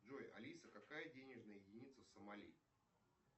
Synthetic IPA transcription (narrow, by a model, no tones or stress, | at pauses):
ʐojɐ̰lʲisəkɐkajədʲenʲɪʐnəjəjɪdʲɪnʲit̪səfsəmɐlʲḭ